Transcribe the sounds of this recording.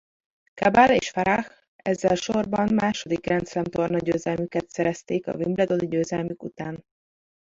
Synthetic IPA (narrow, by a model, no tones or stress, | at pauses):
kabalḛːʃfɛɾax | ɛzːɛlʃorbɒmːaːʃo̞d̪ikrɛnt̪slɛmt̪o̞rnɒɟøːzɛlmykɛt̪sɛɾɛst̪eːkɒ̰vimblɛd̪o̞d̪iɟøːzɛlmykut̪aːn